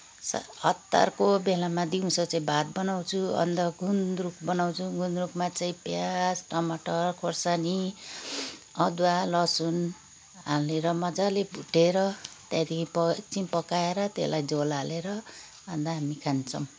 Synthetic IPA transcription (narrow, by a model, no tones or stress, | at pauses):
sa̰ʌt̪ːa̰rkobelamad̪iũsʌt͡saĩbʱat̪̚bʌnaw̃t͡sʰuʌ̰nd̪ʌɡʱunrukbʌnaw̃t͡sʰuɡʱund̪rukmat͡saĩpjasʈʌmaʈʌrkʰorsani | ʌd̪walʌsun | ɦaleɾʌmʌd͡zalebʱuʈeɾʌt̪jãd̪ikʰipʌt͡sinpʌkaeɾʌt̪ḛlajd͡zolaleɾʌ | ʌnd̪ʌɦamikʰant͡sʰʌw̃